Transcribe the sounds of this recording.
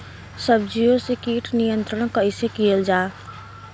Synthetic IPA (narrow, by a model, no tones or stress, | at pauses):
səb̚d͡ʒijosekiʈnijənt̪ɾəɽ̃kəisekijəld͡ʒaː